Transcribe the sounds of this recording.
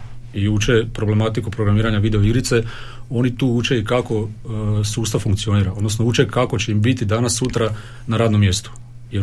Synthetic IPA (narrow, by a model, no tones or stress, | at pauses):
iut͡ʃe̞pɾo̞ble̞mat̪ikupɾo̞ɡɾamiːɾaɲaʋid̪e̞oiɡɾit̪se̞o̞nit̪uːut͡ʃe̞ukako̞suːst̪aʋfuŋkt̪sio̞niːɾao̞d̪no̞sno̞ut͡ʃe̞kako̞t͡ɕe̞imbit̪id̪anasːut̪ɾa | naɾaːd̪nomːje̞st̪u̥ | je